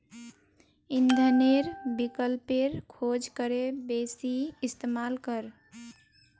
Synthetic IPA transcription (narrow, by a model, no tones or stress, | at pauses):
ind̪ʱəneɾbikəlpeɾkʰod͡ʒkəɾebesiist̪emalkəɾ